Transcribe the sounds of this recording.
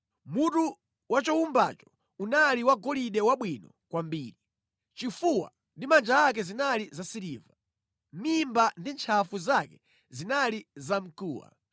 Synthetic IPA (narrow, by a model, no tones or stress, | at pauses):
mutu | wat͡ʃɔumbat͡ʃɔ̥ | unaliwaɡɔliɗɛwaɓwinɔ | kwambiːɾi | t͡ʃifuwa̰ | ndimand͡ʒaːk̬ɛzinalizasiɾiːva | mimbandint͡ʃʰafuzakɛ̥ | zinalizam̩kuːwa̰